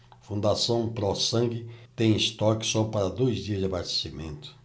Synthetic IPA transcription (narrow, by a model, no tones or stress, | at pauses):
fũnd̪asɐ̃w̃pɾɔsɐ̃ŋɡɪt̪ẽj̃ɪst̪ɔkɪ̥sɔpaɾɐd̪ojzd͡ʒiɐzd͡ʒɪabast̪e̥simḛ̃nt̪ʊ̥